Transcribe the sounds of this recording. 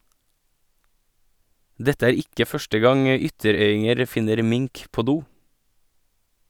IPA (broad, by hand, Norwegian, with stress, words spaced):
ˈdɛtə ˈæːɾ ˈɪkə ˈfœʃʈə ˈɡɑŋ ə ˈʏtəˌɾœʏɪŋəɾ ˈfɪnəɾ ˈmɪŋk ˈpoː ˈduː